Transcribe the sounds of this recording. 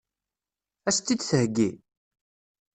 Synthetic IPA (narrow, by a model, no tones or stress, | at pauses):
æst̪ːid̪θəhɡːi